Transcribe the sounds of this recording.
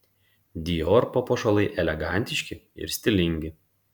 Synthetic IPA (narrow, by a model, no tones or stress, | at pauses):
d̪ʲijoɾpopoːʃolˠɐɪʔɛlʲɛɡɑˑnʲt̪ʲɪʃʲkʲɪɪ̰ɾsʲt̪ʲɪlʲɪŋʲɡʲɪ